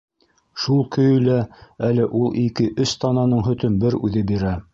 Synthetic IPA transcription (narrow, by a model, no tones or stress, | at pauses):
ʃulˠkɵ̆jɵ̆læælɘʔulˠʔikɘʔɵst̪ɑnɑnɤɴɦɵ̆t̪ɵnbɘɾʉ̰ðɘbiɾæ